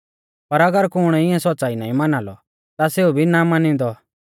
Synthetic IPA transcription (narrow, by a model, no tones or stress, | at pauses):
pɐɾɐɡəɾkʊɽ̃ɛɪɛ̃sɔtːt͡saːina̰ːĩmɐnaːlɔ̰ | t̪aseːubʱinamanĩd̪ɔ